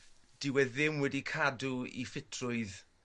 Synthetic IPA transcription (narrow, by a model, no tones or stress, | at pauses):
d̥ɪwɛðɪmwɛdikʰaduḭfɪtʰrʊɨð